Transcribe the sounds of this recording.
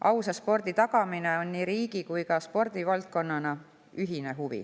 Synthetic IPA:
ʔɑwsɑspo̞rd̪̥it̪ɑɡ̥ɑmine̞o̞nːiːɾiːɡikujkɑspo̞rd̪̥ivɑlt̪̚ko̞nːɑnɑ | yɦine̞ɦuvḭ

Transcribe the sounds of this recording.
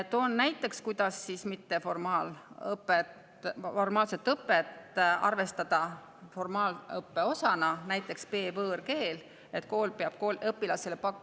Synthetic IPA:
et̪ːonːæjt̪ˑːe̞kskujd̪̥ɑsːismit̪ːe̞fo̞rmɑːlɤpːet̪ | fo̞rmɑːlse̞t̪ːˑɤpːˑet̪ːɑ̰rve̞st̪ɑd̪̥ɑ | formɑːlɤpːe̞o̞sɑnɑnæjt̪ːˑe̞kspe̞ːvɤːrke̞ːl | e̞t̪ko̞ːlpeɑb̥̚koːlɤpːilɑselepɑkːu

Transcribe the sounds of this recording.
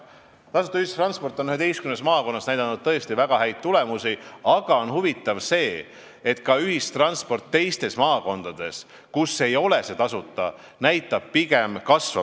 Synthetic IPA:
t̪ɑsu̥t̪ːˑɑyhist̪rɑnspo̞rt̪ːˑonyhe̞t̪ejst̪kymnesmɑːko̞nːɑsnæjd̪ɑnːud̥̪̚t̪ɤ̞est̪ivæɡ̥ɑɦæjd̪̥̚t̪ːule̞musiɑɡ̥ɑo̞nhuvit̪ːˑɑvse̞ː | e̞t̪kɑyɦist̪rɑnspo̞rt̪ːe̞jst̪e̞smɑːko̞nd̪̥ɑd̪̥e̞s | kusːe̞jo̞lese̞t̪ɑsut̪ˑːɑ | næjt̪ːˑɑb̥̚piɡe̞mkɑsvɑ̰

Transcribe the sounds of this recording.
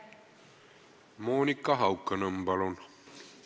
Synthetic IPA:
moːnikːɑɦɑwkːənəmbɑlon

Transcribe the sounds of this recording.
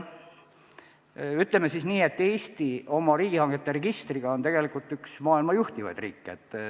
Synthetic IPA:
yt̪ːˑlemesisniːe̞t̪ːe̞ːst̪io̞mɑɾiːɡ̥ihɑŋɡ̥et̪ːe̞ɾeɡ̥ist̪riɡ̥ɑo̞nt̪e̞ɡ̥e̞likult̪ːˑyksmɑːilmɑjuht̪ivɑ̰jd̪̥riːkːeet̪ːˑ

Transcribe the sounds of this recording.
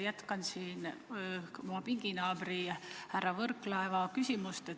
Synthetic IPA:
jæt̪kɑnsiːn | muɑpiŋɡ̥inɑːbɾiɑhærːɑvɤrklɑevɑkysʲimust̪e

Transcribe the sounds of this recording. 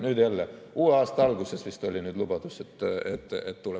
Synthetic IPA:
nyd̪jælːeuːɑːst̪ɑɑlɡ̥usesʋist̪olʲinyd̪lub̥ɑt̪uset̪ːet̪ːet̪t̪ule

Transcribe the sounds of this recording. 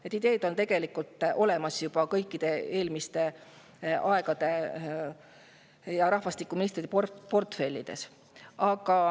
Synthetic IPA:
et̪ːˑid̪e̞ːd̪̥o̞nt̪e̞ɡ̥e̞likːˑult̪ːˑʔo̞le̞mɑsjub̥ɑkɤjkːˑid̪̥e̞e̞ːlmist̪e̞ | ʔɑe̞ɡ̥ɑd̪̥e̞ | jɑɾɑhvɑst̪ikːˑuminist̪rid̪epopo̞rt̪fe̞lʲːid̪̥e̞̰s | ʔɑɡ̥ɑ

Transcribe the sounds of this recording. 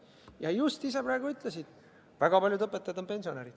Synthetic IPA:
jɑjust̪is̬epɾaːɡ̥uyt̪ˑlesid̪̥ | væɡ̥ɑpɑlʲjud̪ɤpːˑet̪ːˑɑjɑd̪ope̞nʲsio̞neɾid̥̪

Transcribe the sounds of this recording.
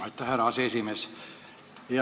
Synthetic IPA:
et̪ːæhæɾɑseesimes | e

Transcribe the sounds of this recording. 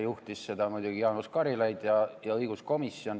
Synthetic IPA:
juht̪isse̞d̪̥ɑmujd̪uɡ̥ijɑːnuskɑɾilɑjd̪jɑjɑɤjɡ̥usko̞misːio̞n

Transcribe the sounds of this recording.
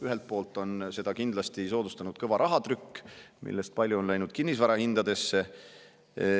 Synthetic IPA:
yɦe̞lt̪̚po̞ːlt̪ːˑo̞nse̞d̪ɑkind̪lɑst̪iso̞ːd̪ust̪ɑnud̪̥kɤvɑɾʔɑɦɑt̪ɾykːmḭlːest̪̚pɑlʲjuonlæjnud̪̥̚kinːisvɑɾɑhind̪̥ɑd̪e̞sːe̞

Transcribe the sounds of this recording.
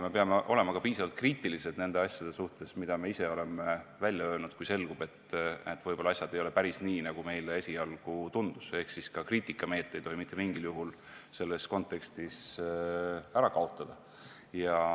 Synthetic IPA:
me̞peɑmeʔo̞̰le̞mɑkɑpiːsɑvɑlt̪kriːt̪ˑilise̞d̪ne̞nd̪e̞ɑsʲjɑd̪̥e̞suht̪e̞smid̪̥ɑme̞ise̞o̞le̞mevælʲjɑøːlnud̪̥kujse̞lɡ̥ub̥e̞t̪ːet̪ːvɤjb̥o̞lɑɑsʲjɑd̪e̞jole̞pæɾisniːnɑɡ̥ume̞jleesʲiɑlɡ̥ut̪und̪̥use̞hksiskɑkriːt̪ikːˑɑme̞ːlt̪ːˑe̞jt̪o̞ɦimit̪ːˑemiŋɡ̥iljuɦul | se̞lːesko̞nt̪ːˑe̞kst̪is | æɾɑkɑo̞t̪ːˑɑd̪̥ɑ | jɑ

